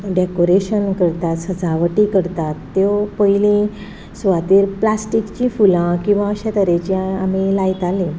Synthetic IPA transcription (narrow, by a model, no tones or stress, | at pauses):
ɖekoɾeɕənkəɾt̪at̪səd͡zʱaʋəʈikəɾt̪at̪ːepəilĩ | sʋat̪iːɾplasʈikt͡ɕĩfulãkĩw̃ʋãəɕãt̪əɾet͡ɕĩamilait̪alĩ